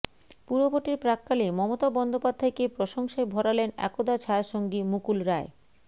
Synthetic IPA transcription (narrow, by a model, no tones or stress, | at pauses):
puɾoboɾʈiɾpɾakːalimɔmot̪abɔnd̪opad̪ʱːaekepɾoʃoŋʃaebʱɔɾalenɛ̰kod̪at͡ɕʰaaʃoŋɡimukulɾae